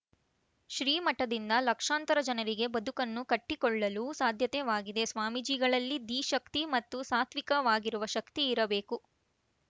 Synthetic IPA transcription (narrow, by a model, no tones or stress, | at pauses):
ʃɾiːmɐʈːɐd̪ind̪ɐlɐkʂaːnt̪ɐɾɐd͡ʒɐnɐɾiɡe̞bɐd̪ukɐnːukɐʈːikɔɭːɐlusaːd̪ʱjɐt̪ɛʋaːɡid̪e̞sʋaːmid͡ʒiːɡɐɭɐlːid̪iːʃɐk̚t̪imɐt̪ːusaːt̪ʰʋikɐʋaːɡiɾuʋɐʃɐkt̪iːɾɐbe̞ːku